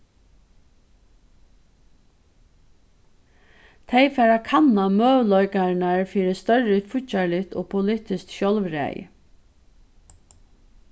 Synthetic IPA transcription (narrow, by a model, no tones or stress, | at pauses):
t̪ʰɛɪfɛːɾakʰanamøːʋlɔʏkaɹnaɹfiːɾəst̪œɹəfʊçalɪt̪oːpʰʊlɪːt̪ɪskʃjɔlʋɾæ̰j